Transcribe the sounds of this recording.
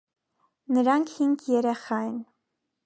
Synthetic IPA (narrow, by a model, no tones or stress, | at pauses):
nəɾɑŋkʰhiŋkʰjɛɾɛχɑjən